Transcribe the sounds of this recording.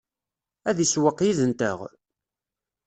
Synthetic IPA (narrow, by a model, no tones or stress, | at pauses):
æðiswəqːjiðənt̪ə̰ʁ